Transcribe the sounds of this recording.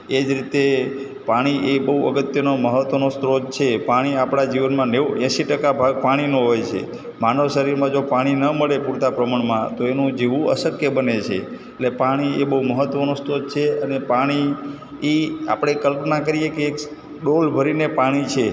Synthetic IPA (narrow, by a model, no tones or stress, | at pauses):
ed͡ʒɾit̪e | paɽ̃iʔebəɦuəɡət̪jənoməɦət̪ʋənost̪ɾod͡ʒt͡ʃʰepaɽ̃iapɽ̃ad͡ʒiʋənmãneʋɛ̃ʃiʈəkabʱaɡ̚paɽ̃inoɦojt͡ʃʰḛ | manəʋʃəɾiɾmãd͡ʒopaɽ̃inəməɭepuɾt̪apɾəmaɳmãt̪oenũd͡ʒeʋũə̰səkjəbənet͡ʃʰḛ | eʈlepaɽ̃iebəɦuməɦət̪ʋənost̪ɾod͡ʒt͡ʃʰeənepaɽ̃i | ea̰pɽ̃ekəlpnakəɾijekeːk | ɗolbʱəɾinepaɽ̃it͡ʃʰe